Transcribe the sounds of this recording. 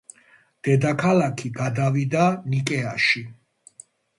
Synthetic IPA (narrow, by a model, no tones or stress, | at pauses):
d̪̥ɛd̪akʰalakʰiɡad̪avid̪anikʼɛaʃi